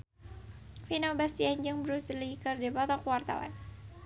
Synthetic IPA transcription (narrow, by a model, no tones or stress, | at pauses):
finobast̪iaɲd͡ʒɨŋbɾusəlikɨrdipɔt̪ɔkwart̪a̰wa̰n